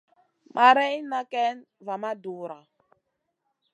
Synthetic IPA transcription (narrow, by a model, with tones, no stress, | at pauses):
mʔa˨ɾɛ˦jna˦kɛ˦n | va˨ma˦du˨ɾa˨